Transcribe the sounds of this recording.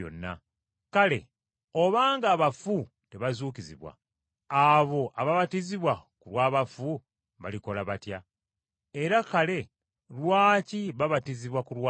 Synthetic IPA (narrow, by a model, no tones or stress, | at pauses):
o̰nːa̰ | kale̞̰ | o̞βaːŋɡaːβafu | te̞βazuːkiziβwa̰ | aβo̞ʔaβaβatiziβwakulwaːβafu | βa̰liko̞laβatja | eɾakale̞ | lwaːciβaβatiziβwakuɾwa